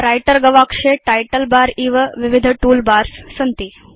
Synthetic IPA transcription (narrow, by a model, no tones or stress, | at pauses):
ɾajʈəɾɡəʋakʂeʈajʈəlbaɾiːʋəʋiʋid̪ʱʈuːlbaɾssənt̪i